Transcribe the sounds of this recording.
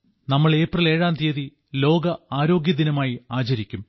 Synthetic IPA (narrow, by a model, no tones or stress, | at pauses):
nɐmːɐɭe̞ːprɐle̞ːɻaːnt̪eːði | lo̞ːɡɐaːɾo̞ːɡjɐd̪inɐmaːjiaːt͡ɕɐɾikʲːum